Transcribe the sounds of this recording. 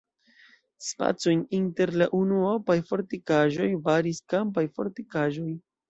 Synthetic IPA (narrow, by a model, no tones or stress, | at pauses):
spa̰t͡sojninte̞ɾlaʔunuapajfo̞ɾtikaʒo̞jbaɾiskampajfoɾtikaʒo̞j